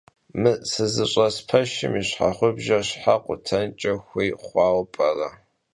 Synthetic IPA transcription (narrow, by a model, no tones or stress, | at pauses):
mɨsɨzɨɕʼɐspʰɐʃɪ̰miɕħa̰χʷʊbʒɐɕħaqʷʊtʰɐnt͡ʃʼɐxʷeːχʷɑːwpʼɐrɐ